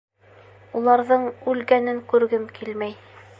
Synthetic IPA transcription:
ulˠɑɾðɤɴʉlɡænɘŋkʉɾɡɘmkʰilmæj

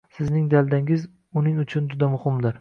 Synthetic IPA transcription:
sɪznɪŋd̪ald̪aŋɪz | ʊnɪŋʊt͡ʃʰʊnd͡ʒʊd̪amʊhɪmd̪ɪɾ

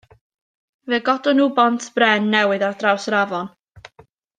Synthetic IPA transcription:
vɛɡɔdʊnuːbɔntʰb̥rɛnːɛwɨðadrawsravɔn

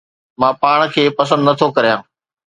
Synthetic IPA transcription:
mãːpaːɳ̃kʰeːpɐs̬ə̃nd̪nɐt̪ʰokɐɾijãː

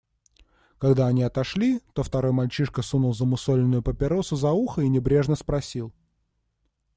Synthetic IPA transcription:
kɐɡd̪aɐnʲiɐt̪ɐʂlʲit̪o̞ft̪ɐɾo̞jmɐlʲt͡ɕiʂkəsunʊlˠzəmʊsolʲɪnːʊjʊpəpʲɪɾosʊzɐuxəinʲɪbɾʲe̞ʐnəspɾɐsʲilˠ

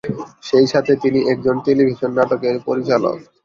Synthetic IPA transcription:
ʃejʃat̪ʰet̪iniʔɛk̚d͡ʑonʈelibʱiʃonːaʈokeɾpoɾit͡ɕalo̰k

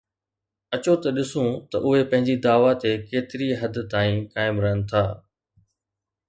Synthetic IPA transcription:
ɐt͡ɕot̪ɐɗɪsũt̪ɐʔʊɦepɐ̃ɦɪ̃ɲd͡ʑid̪aːʋat̪ekeːt̪ɪɾiɦɐd̪ʱt̪aːĩkaːɪmɾɐɦənɪ̆t̪ʰaː

